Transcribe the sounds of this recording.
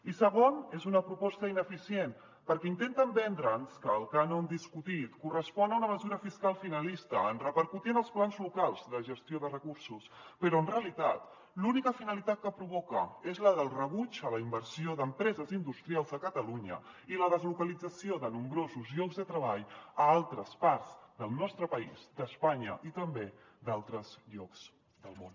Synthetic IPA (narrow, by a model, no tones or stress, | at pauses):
isəɣonezunəpɾupɔst̪əinəfisien | pəɾkɛint̪ent̪əmbɛnd̪ɾənskəːlˠkanond̪iskut̪it̪kurəspɔnəunəməzuɾəfiskalˠfinəlist̪əːnrəpəɾkut̪iənəlˠsplanzlukalˠzðəʒəst̪joðərəkuɾsus | pəɾɔənreəlit̪at̪ | lunikəfinəlit̪at̪̚kəpɾuβ̞ɔkə̰ezləðəlˠrəβud͡ʒələimbəɾsioðəmpɾɛzəzind̪ust̪ɾialˠzðəkət̪əluɲə̰ | iləðəzlukəlid͡zəsioðənumbɾozuzʎɔkɡzðət̪ɾəβ̞aʎəalˠt̪ɾəspaɾzd̪əlˠnɔst̪ɾəpəizd̪əspaɲə̰ʔit̪əmbe | d̪alˠt̪ɾəzʎɔkz̥ | d̪əlˠmon